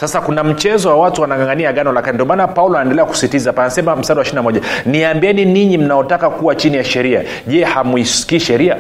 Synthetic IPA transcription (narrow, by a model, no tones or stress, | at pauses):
sasakunam̩t͡ʃɛzɔwawatuwanaŋɡaŋɡaniaɡanɔlakinindiɔmanapaulɔanɛndɛlɛaku̥sitizapanasɛmam̩sadawaʃininamɔʄaniambiɛniniɲim̩naɔtakakuwat͡ʃinijaʃɛɾia̰ | ʄɛhamwissi̥kiːʃɛɾia